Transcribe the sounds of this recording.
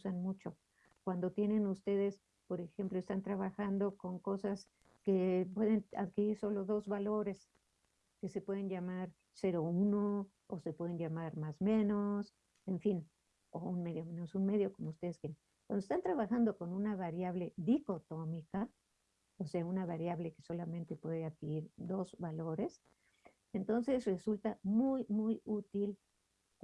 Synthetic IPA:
usanmut͡ʃo̞ | kwand̪o̞t̪je̞ne̞nust̪e̞ðe̞s | po̞ɾe̞xe̞mplo̞est̪ant̪ɾaβaxand̪o̞ko̞ŋko̞sas | ke̞pwe̞ðe̞na̰ðkiɾiɾso̞lo̞ðo̞zβalo̞ɾe̞s | ke̞se̞pwe̞ðenʝamaɾ | se̞ɾo̞uno | ose̞pwe̞ðe̞nʝamaɾmazmẽ̞no̞s | e̞ɱfin | ounme̞ðjo̞menosunme̞ðjo̞ko̞moust̪e̞ðeskjee | kwand̪oest̪ant̪ɾaβaxand̪o̞ko̞nũnaβaɾjaβ̞le̞ðiko̞t̪o̞mika | ose̞aunaβaɾjaβle̞ke̞so̞lamẽnt̪e̞pwe̞ðeaðkiɾiɾd̪o̞zβalo̞ɾe̞s | ent̪o̞nse̞sre̞sult̪amujmujut̪il

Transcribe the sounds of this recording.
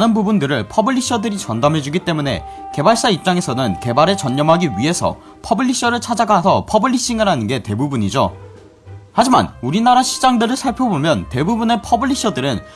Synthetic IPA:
anɯnbubundɯɾɯɭpʰʌbɯʎːiɕ͈ʰʌdɯɾit͡ɕʌndamɦe̞d͡ʑuɡit͈e̞mune̞̰ | ke̞baɭs͈aip̚t͡ɕ͈aŋe̞sʰʌnɯnke̞baɾet͡ɕʌɲːʌmɦaɡiɥiɦe̞sʰʌ̰ | pʰʌbɯɭːiɕ͈ʌɾɯɭt͡ɕʰad͡ʑaɡasʰʌpʰʌbɯʎːiɕ͈iŋɯɾanɯnɡe̞te̞bubuɲid͡ʑo | had͡ʑima̰nuɾinaɾaɕʰid͡ʑaŋdɯɾɯɭsʰaɭpʰjobomjʌnte̞bubune̞pʰʌbɯɭːʎːiɕ͈ʰʌdɯɾɯn

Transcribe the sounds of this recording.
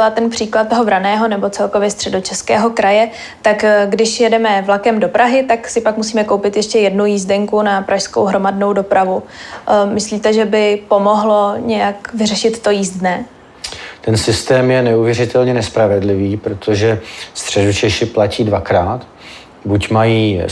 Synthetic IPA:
lat̪ɛnpr̝̥iːklat̪̚ːoɦovɾanɛːɦo̞nɛbo̞t͡sɛlko̞vjɛst̪r̥ɛdo̞t͡ʃɛskɛːɦo̞kɾajɛ | t̪akɡdɪʃjɛdɛmɛvlakɛmdo̞pɾaɦɪt̪aksɪpakmus̬iːmɛkowpɪt̪jɛʃcɛjɛdnujiːzdɛŋkunapɾaʃskowɦɾo̞madno̞wdo̞pɾavu | mɪsliːt̪ɛʒɛbɪpo̞mo̞ɦlo̞ɲɛjakvɪrɛʃɪt̪ːo̞jiːzdnɛː | t̪ɛnsɪst̪ɛːmjɛnɛuvjɛrɪt̪ɛlɲɛnɛspɾavɛdlɪviːpɾot̪ʰoʒɛst̪r̝̥ɛdut͡ʃɛʃɪplaciːdvakɾaːt̪ | bucmajiː

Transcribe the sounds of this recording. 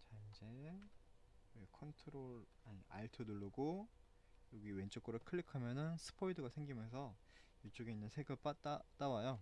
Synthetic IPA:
t͡ɕaind͡ʑe̞ | uekʰʌntʰɯɾoɭ | aɲia̰ɭtʰɯnuɭːuɡo | joɡiwe̞nt͡ɕ͈ok̚k͈ɯɾoɭkʰɯɭːikʰamjʌnɯnsʰɯ̥pʰoidɯɡasʰeŋɡimjʌns̬ʰʌ | jut͡ɕ͈oɡeinːɯnsʰe̞ɡɯɭp͈at͈at͈awajo

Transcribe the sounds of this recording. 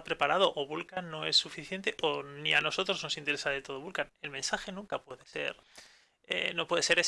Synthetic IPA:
pɾe̞paɾaðo̞ʔoβulkanːo̞e̞sːufiθje̞nt̪e̞ʔoniano̞so̞t̪ɾo̞zno̞sint̪eɾesaðe̞t̪o̞ð̞o̞βulkane̞lmẽ̞nsaxe̞nũŋkapwe̞ðe̞se̞̰ɾ | ḛno̞pwe̞ðe̞se̞ɾe

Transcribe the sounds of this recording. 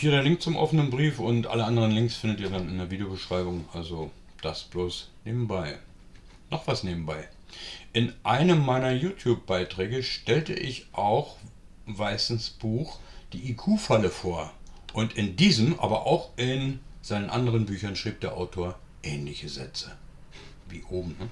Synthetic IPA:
fiːʁeːɐlɪŋk̚t͡sʊmʔɔ̰fənənbʁiːfʊntʔa̰ləʔandəʁ̞ənlɪŋksfɪndətiːɐdanɪnɐviːdeobəʃʁ̥aɪbʊŋʔalzo | d̥asb̥loːsneːbm̩baɪ | nɔχv̥asneːbm̩baɪ | ʔɪnʔaɪnəmːaɪnɐjuːtʰjuːp̚b̥aɪtʁ̥ɛːɡəʃtɛltə̰ʔɪçʔaʊx | vaɪsn̩sb̥uːxd̥iːʔikʰuːfaləfoːɐʔʊntɪndiːzəmʔa̰ːbɐʔa̰ʊxʔɪnz̥aɪnənʔa̰ndəʁənbyːçɐnʃʁ̥iːp̚td̥eːɐʔaʊtʰoːɐ | ʔɛːnlɪçəzɛt͡sə | vḭːʔoːbm̩nə

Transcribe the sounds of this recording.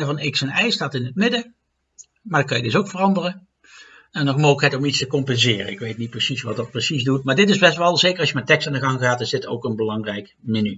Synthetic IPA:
əvɑnɪksɛnɛjstaːtɪnɦətmɪdə | maːdɑkɑjədɵsowkfərɑndərə | ɛnɔxmoːɣləkɦɛtɔmitstəkɔmpɛnzɪːrə̰ɪkʋejtnit̚prəsisʋɑt̚dɑt̚prəsizdutmaːɹdɪtɪzbɛstʋɛlˠzejkərɑsʃjəmɛtɛkstaːndəɣɑŋɣaːtɪzdɪtowkənbəlɑŋrɛjk | mɪny

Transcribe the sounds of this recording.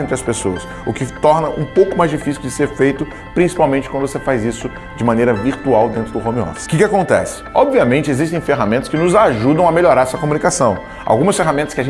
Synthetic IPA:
ẽt̪ɾɐspesoɐs | ʊkɪt̪ɔɾnɐʔũpowkʊmajzd͡ʒifisiwd͡ʒɪseɾfejt̪ʊ | pɾĩsi̥pawmẽnt͡ʃɪkwɐ̃d̪ʊvosefajzisʊ | d͡ʒɪmɐ̃nejɾɐviɾt̪uawd̪ẽnt̪ɾʊd̪ʊhõmeɔ̰fskɪkɪakõnt̪ɛ̰sɪ̥ɔbviɐmẽnt͡ʃɪeziʃt̪ẽj̃feɦamẽnt̪ɐ̥skɪnʊzaʒud̪ɐ̃w̃ɐmeʎoɾaɾɛsɐkomũnikasɐ̃w̃ | a̰wɡũmɐsfeɦamẽnt̪ɐskɪaʒẽ

